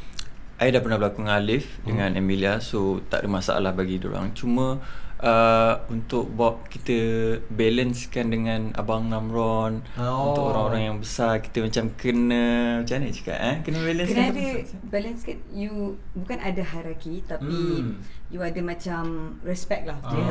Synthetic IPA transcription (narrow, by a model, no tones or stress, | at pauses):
ʔajidahpərnahbəlakʊŋalɪfdəŋãnʔɛmiliasot̪a̰ʔdəmasa̰ʔa̰lahbaɡido̰ɾa̰ŋt͡ʃumə̃ʔəunt̪ʊk̚bap̚kit̪əbɛlənskandəŋãna̰baŋnamrɔnunt̪ʊkoɾaŋoɾaŋjaŋbəsarki̥t̪əmat͡ʃamkənə̃t͡ʃanət͡ʃka̰ʔakənəbɛlənskədəbɛlənskanjubukanadaɦajɾakit̪apijuadamãt͡ʃamrɛspɛk̚lahu